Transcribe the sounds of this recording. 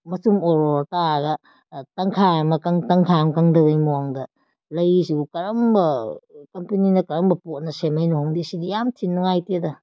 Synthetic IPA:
mɐsumoɾoɾtaɡɐ | tɐŋkʰajamɐkɐŋtɐŋkʰajamkɐŋdɐbɐjmuaŋdɐ | lɐjsukɐɾɐmbɐkɐmpininɐkɐɾɐmbɐpot̚nɐsemɐjnohoŋdisidijamtʰinːɔŋajtedɐ

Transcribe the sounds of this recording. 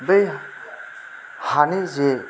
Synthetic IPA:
bej | hanize

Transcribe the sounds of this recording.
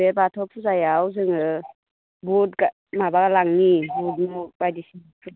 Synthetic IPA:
ebatʰɔk̚pʰuzajawzɯŋɯ | bɔt̚ka | mabaɡalaŋnibud̚nɔbajdisi

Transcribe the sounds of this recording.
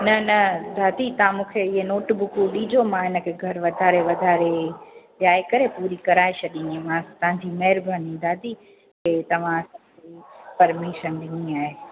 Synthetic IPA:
nɐnɐd̪ʱaːd̪it̪ɐãmũːkʰeɪɦenoːʈbʊkuɗiːd͡ʑomãɪnə̆kʰeɡʱɐɾʋɐd̪ʱaːɾeʋɐd̪ʱaːɾeʋjaːekɐɾepuːɾikɐɾaːeɕʰɐɗĩemãt̪ɦãd͡ʑiːmɐɦɪɾbʱənĩd̪ʱaːt̪i | kʰeːt̪ɐʋ̤ãɐsãd͡ʑepɐɾmiʃənɗɪniaːɦeː

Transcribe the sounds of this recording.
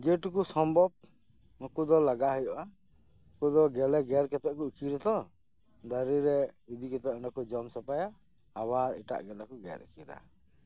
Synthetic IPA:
d͡ʒɛʈukusɔmbʱɔb̚ | nukud̪ɔlaɡaɦɔjɔʔa | kud̪ɔɡɛlɛɡɛɾkɛt̪ɛʔkuikʰiɾɛt̪ɔ | d̪aɾiɾɛid̪ikɛt̪ɛʔɛnɔkɔd͡ʒɔmsɔpajaː | baɾḭʈa̰ʔɡɛlɛkuɡɛ̰ɾḭkiɾa̰

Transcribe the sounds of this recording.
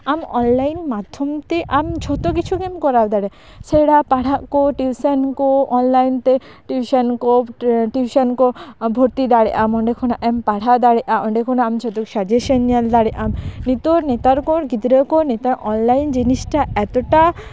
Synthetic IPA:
amɔnlajnmad̪ʱːomt̪eʔamd͡ʑʰʱɔt̪ok̬it͡ɕʰukemkɔɾawd̪aɽe | seɽapaɽaʔkoʈibsenkoɔnlajnt̪e | ʈibʱiʃankoʈibʱiʃankobʱoɾt̪id̪aɽeʔamɔɳɖekʰonaʔɛmpaɽ̤ʱad̪aɽeʔaʔɔɳɖekʰonaamd͡ʑʰʱot̪okʃad͡ʒeʃeniald̪aɽeʔamnit̪onet̪aɾkoɾɡid̪ɾekonet̪aɾʔɔnlajnd͡ʑiniʃʈaɛt̪oʈa

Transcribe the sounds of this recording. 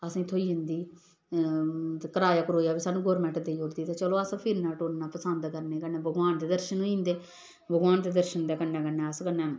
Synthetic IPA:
əsãːt̪ʰoːiːə̃nd̪iː | kəɾaːjaːkɾoːjaːbiːsənːuɡoːɾmɛ̃ɳʈd̪eːioːɾd̪iːt̪eːt͡ʃəloːəspʰiɾnaːʈoːnnaːpəsənd̪kəɾneːkəeːbʱəɡʋaːnd̪eːd̪əɾʃənõːĩːnd̪eː | bʱəɡʋaːnd̪eːd̪əɾʃənd̪eːkənːɛ̃ːkənːɛ̃ːəskənːɛ̃ː

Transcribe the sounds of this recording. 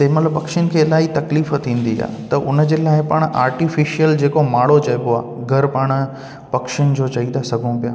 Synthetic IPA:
t̪ɐɦɪmɐt̪ləbpɐkʃɪnɪ̆kʰeːɪlaːit̪ɐkliːfət̪ʰĩːn̆d̪ia̰ːt̪ɐʔʊnə̆d͡ʑeːlaːɪpaːɽ̃ʔaːɾʈifɪʃijəld͡ʑeːkomaːɽot͡ɕɐɪboa̰ːɡʱɐɾpaːɽ̃ | pɐkʃɪñ̆d͡ʑoːt͡ɕɐĩd̪asɐɡʱũpijaː

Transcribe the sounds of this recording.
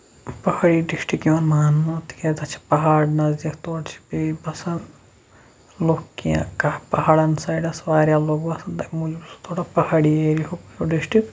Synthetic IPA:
pɐhaɽiːɖisʈikiɐnmaːnːɐt̪i̥ket̪ɐt͡ʃʰi̥pɐɦaːɖnɐzɐkʰt̪oːɽt͡ʃʰi̥pibɐsɐn | loːkːijã̰kɐpɐɦaːɽɐnsaːjɖɐsʋaːɾjaːloːɡbɐsɐnt̪ɐkmud͡ʒbsu̥t̪ʰoːɽapɐhaːɽieːɾiɦokjoɖiʃʈi

